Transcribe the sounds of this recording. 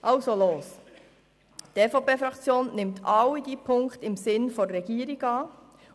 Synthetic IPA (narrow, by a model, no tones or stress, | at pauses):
ʔɑʊsoloːs | tefopeːfɾɑkt͡sjoːnnɪmtʰɑwidipʰʊŋktɪmsɪnfɔːɛɡiːəɾiɡɑː